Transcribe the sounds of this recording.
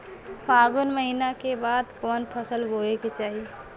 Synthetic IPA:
pʰaːɡʊnməɦinakebaːd̪kɔːnpʰəsəlboːeket͡ʃaːɦie

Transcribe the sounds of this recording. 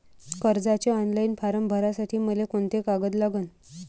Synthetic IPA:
kəɾd͡zat͡ɕeɔnlainpaɾəmbʱəɾasaʈʰiːməlekoɳt̪ekaɡəd̪laɡən

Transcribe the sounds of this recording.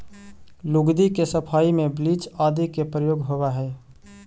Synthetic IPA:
lʊɡd̪ikesəpʰaːimẽbliːt͡ʃaːd̪ikepɾəjoːɡɦowaɦɛː

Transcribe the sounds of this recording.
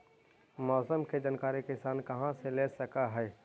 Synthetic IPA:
mɔːsəmked͡ʒɐnkaːɾikɪsaːnkɐɦãseleːsɐkaɦɛː

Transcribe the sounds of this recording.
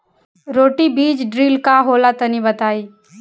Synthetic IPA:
ɾoːʈibiːd͡ʒɖɾiːlkaɦoːlat̪ɐnibət̪aːiː

